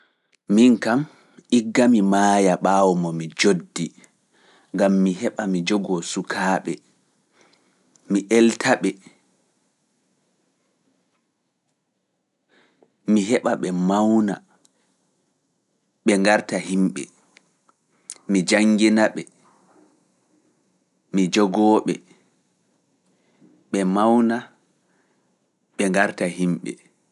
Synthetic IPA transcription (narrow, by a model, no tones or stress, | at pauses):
miŋkam | iɡːamimaːjaɓaːwɔmɔmid͡ʒodːi | ŋɡamːiɦɛɓamid͡ʒɔɡɔsukʰaːɓɛ | miʔɛltʰaɓɛ | miɦɛɓaɓɛmawna̰ | ɓɛŋɡaɾtahimɓɛ̰ | mid͡ʒaŋɡinaɓɛ | mid͡ʒɔɡɔːɓɛ̰ | ɓɛmawna | ɓɛŋɡaɾtahimɓɛ̰